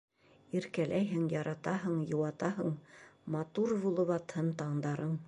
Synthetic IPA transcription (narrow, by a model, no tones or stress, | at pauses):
iɾkælʔæjɦɘŋjɑɾɑt̪ɑɦɤɴjŏwɑt̪ɑɦɤ̆ɴmɑt̪uɾβulˠɤ̆βɑt̪hɤnt̪ɑɴd̪ɑɾɤɴ